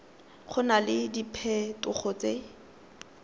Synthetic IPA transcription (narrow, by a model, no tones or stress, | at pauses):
χʰʊnalɪdipʰɛtʊχʰɔt͡se